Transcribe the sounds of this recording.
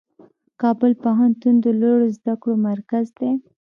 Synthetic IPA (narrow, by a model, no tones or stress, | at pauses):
kɑbəlpaɦant̪und̪əloɽozd̪akɽomaɾkazd̪e